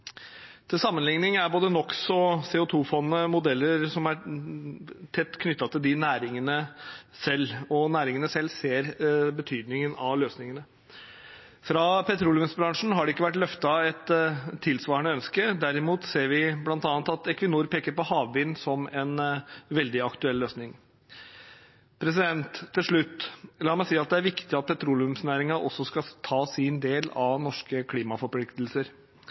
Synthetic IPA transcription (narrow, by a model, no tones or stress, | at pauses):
t̪ʰɪlsɑmːənlɪŋnɪŋæɾboːd̪ənɔksɔseːʊt̪ʰuːfɔnnəmʊd̪ɛlːəɾsɔmæ | t̪ʰɛt̪ːkʰnʏt̪ːɑt̪ʰɪld̪ɪnæːɾɪŋənə | sɛlːɔnæːɾɪŋənəsɛlːseːɾbət̪ʰyːd̪nɪŋənɑʋløːsnɪŋənə | fɾɑpʰɛt̪ʰɾulʋɪnsbɾɑŋʂɳ̩ɦɑɖɛɪkːəʋæʈːlœft̪ɑɛt̪ʰːɪlsʋɑːɾəɳəœnskəd̪æɾɪmuːt̪seːɾʋɪblɑnt̪ɑːnt̪ɑt̪ɛkʋɪnuːɾpeːkəɾpɔhɑːʋʋɪnːsɔmɛnʋɛld̪ɪɑkt̪ʉɛlːøːsnɪŋ | pʰɾɛs̬ɪd̪ɛnt̪ʰːɪlʂɭʉt̪ːlɑːmæɪsiːɑt̪̚d̪ɛæɾʋɪkt̪ɪɑt̪̚pʰɛt̪ʰɾuːlɪʉmsnæːɾɪŋɑʔɔ̰sːɔskɑt̪ʰɑːsɪnd̪eːlɑʋnɔʂkəkʰliːmɑfɔɾpʰlɪkt̪lsəɾ